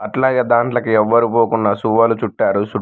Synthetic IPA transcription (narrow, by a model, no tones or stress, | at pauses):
ɐʈlaːɡaːd̪aːɳʈlɐkuɛʋːɐɾupoːkunːɐsuʋalut͡ʃuʈːaːɾusu